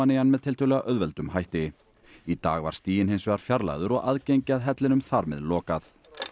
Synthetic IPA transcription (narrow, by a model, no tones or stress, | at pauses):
anejanmɛðt̪ʰɪlt̪ʰœɣlɛɣaʔœðvɛlt̪ʏmɦajht̪ɪ | it̪a̰ːɣva̰ɾ̥st̪iːjɪnɦejnsvɛːɣaɾ̥fjaɾla̰ɣðʏɾɔɣaðcejɲcɪaðɦɛt̪lɪnʏmθaɾmɛ̰ðlɔːkaθ